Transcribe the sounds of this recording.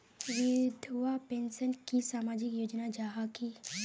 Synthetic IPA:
ʋɪd̪ʱʋapẽːnsənkisaːmaːd͡ʒɪkjoːd͡ʒnad͡ʒaːɦaki

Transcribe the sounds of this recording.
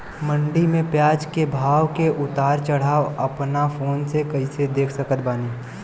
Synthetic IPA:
mə̃ɳɖimẽpjaːd͡ʒkebʱaːwkeʔʊt̪aːɾt͡ʃəɽ̤aːoəpnapʰoːnsekəɪsed̪eːkʰsəkət̪baːniː

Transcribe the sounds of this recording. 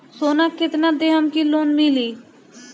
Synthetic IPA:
soːnaːkɪt̪nãːd̪eɦəmkiːloːnmiliː

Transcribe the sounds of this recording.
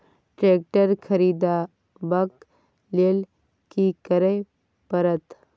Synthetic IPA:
ʈɾeːk̚ʈəɾkʰəɾiːd̪a | bɐk | lel | kikəɾe | pəɾət̪

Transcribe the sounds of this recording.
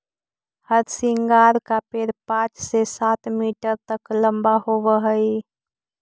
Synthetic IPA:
həɾsiŋɡaɾkapeɾpãt͡ʃsesat̪miʈəɾt̪əkləmbaɦobəɦəj

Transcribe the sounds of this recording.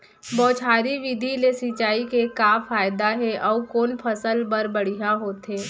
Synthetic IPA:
bɔːt͡ʃʰaːɾiʋid̪ʱilesit͡ʃaːikekaːfaːjd̪aɦɛʔɔːkoːnpʰɐsəlbɐɾbəɽ̤iɦaɦoːt̪ɦeː

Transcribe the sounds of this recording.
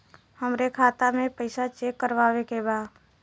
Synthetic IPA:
həmɾekʰaːt̪amẽpəɪsat͡ʃeːkːəɾʋaːʋekebaːd̪

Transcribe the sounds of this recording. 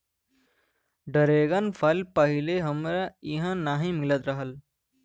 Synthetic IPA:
ɖəɾeːɡənpʰəlpəɦɪleɦəmɾaɪɦãnaɦĩmɪlət̪ɾəɦəl

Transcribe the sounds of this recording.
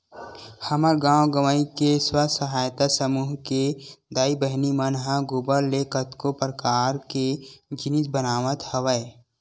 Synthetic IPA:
həməɾɡãːwɡəməikeswəsəɦaːjt̪asəmuːɦked̪aːibəɦnimənɦãɡʊbəɾːekət̪kopɾəkaːɾked͡ʒɪnɪsbənaːʋət̪həʋəe

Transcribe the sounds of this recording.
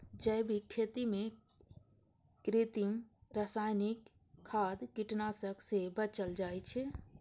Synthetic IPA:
d͡ʒəbʱikʰet̪imẽ | kɾit̪imɾasaːɪnikʰː | aːd̪kiʈnasəksebət͡ʃəld͡ʒaːjt͡ʃʰɛ

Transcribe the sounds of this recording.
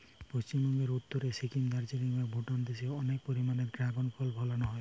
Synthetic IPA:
post͡ɕimbɔŋɡeɾut̪ːoɾesikimd̪aɾd͡ʑeɾiŋbabʱoʈand̪eseɔnek̚poɾimaneɾɡɾaɡonpʰɔlbʱɔlanɔɦɔe

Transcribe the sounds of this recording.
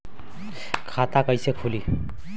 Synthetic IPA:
kʰat̪akʌjsekʰuli

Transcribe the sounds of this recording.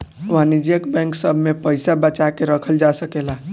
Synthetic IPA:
ʋanid͡ʒijəkbɛ̃ŋksəbʱmepəjsabəːt͡ʃakeɾəkʰəld͡ʒasəkela

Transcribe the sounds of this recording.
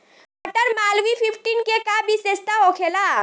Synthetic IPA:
bɐʈəɾmaːlʋipʰɪpʰʈiːnkekabʱisest̪aɦoːkʰeːlaː

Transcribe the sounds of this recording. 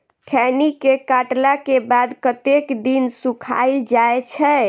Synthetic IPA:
kʰɛnikekaʈlakebad̪kət̪ekd̪insukʰa̰ɪld͡ʒajet͡ʃʰɛ

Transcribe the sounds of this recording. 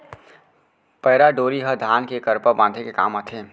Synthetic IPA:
pəɦɾaɖoːɾiɦəd̪ʱaːnkekəɾpəbãːd̪ʱekeka̰ːmət̪ʰe

